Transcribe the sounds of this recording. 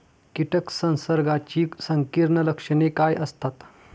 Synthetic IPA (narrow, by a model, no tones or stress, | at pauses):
kiʈʰəksə̃nsəɾɡat͡ɕiːsəŋkiɾɳələkʂəɳekajʔəst̪at̪